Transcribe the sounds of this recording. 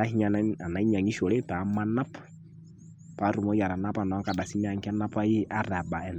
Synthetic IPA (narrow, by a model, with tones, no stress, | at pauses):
a˦hi˦ɲa˨a˨na˨i˦ɲa˨ŋi˦ʃɔ˨le˦pa˨˦ma˦na˦p | pa˨˦ɾu˨mɔ˦ja˨ɾa˨na˦pa˨nɔ˨˦ŋka˨ɗa˨si˦mɛ˦a˨ŋka˦na˦pa˦ji˦ʔa˦ɾa˨ɓa˨ɛ˨n